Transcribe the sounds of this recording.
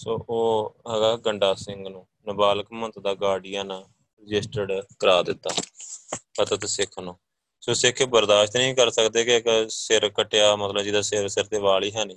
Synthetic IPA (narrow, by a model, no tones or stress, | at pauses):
soːʔoːɦɛːɡaːɡəɳɖaːsɪŋɡnũː | nəbaːləkmənt̪d̪aːɡaːɽɪːjãːna | ɾɪd͡ʒɪsʈəɖkəɾaːd̪ɪt̪ːaː | pət̪ət̪sɪkʰnõː | soːsɪkʰbəɾd̪aːʃt̪nĩːkəɾsəkd̪eːkɪksɪɾkəʈːejaːmət̪ləbd͡ʒɪd̪aːsɪɾsɪɾt̪eːʋaːɭiːɦɛːnĩː